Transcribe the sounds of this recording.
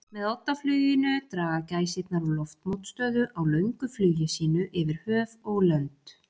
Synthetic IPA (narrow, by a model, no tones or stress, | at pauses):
mɛðɔt̪ːaflyːjɪnʏt̪ɾaːɣacaːjsɪt̪naɾulɔft̪mowt̪st̪œːðʏʔawlœɥŋkʏflyːjɪsiːnʏʔɪvɪɾ̥hœːvɔɣlœnt̪